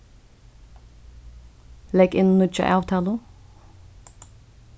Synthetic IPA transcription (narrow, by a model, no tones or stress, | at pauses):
lɛɡɪnnʊt͡ʃa̰ʔɑːʋt̪ʰɑːlʊ